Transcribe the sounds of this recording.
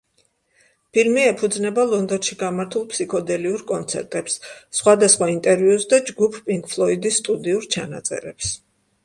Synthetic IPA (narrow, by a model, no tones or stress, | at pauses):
pʰilmiɛpʰud̪znɛbalˠɔnd̪ɔnʃiɡamaɾt̪ʰulˠpʰsikʰɔd̪ɛliuɾkʼɔnt̪sʰɛ̰ɾt̪ʼɛpsːχwad̪asχwaint̪ʼɛɾviusd̪ad͡ʒɡupʰpʼiŋkʰʼpʰlˠɔid̪ist̪ʼud̪iuɾt͡ʃʰana̰t̪sʼɛ̰ɾɛps